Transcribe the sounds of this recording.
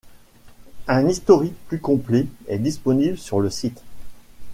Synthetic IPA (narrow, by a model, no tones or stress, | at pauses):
ɛ̃nist̪ɔʁik̚plykɔ̃plɛɛd̪ispɔnibləsyʁləsit̪